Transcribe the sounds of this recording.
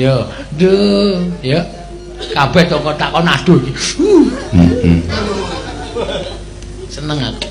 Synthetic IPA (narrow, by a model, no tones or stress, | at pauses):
jədə | jə | kabɛht̪okɔt̪aʔkɔnad̪̥okiu | sənəŋak